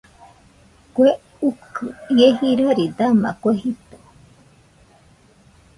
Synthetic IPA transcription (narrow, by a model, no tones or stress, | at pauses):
kwe | ukʰɨieɦiɾoɾid̪ama̰kʷeɦit̪o̥